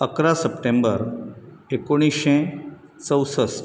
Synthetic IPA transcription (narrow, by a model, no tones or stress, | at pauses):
əkɾasəpʈẽmbəɾekoɽ̃iʃẽ | t͡səwsəs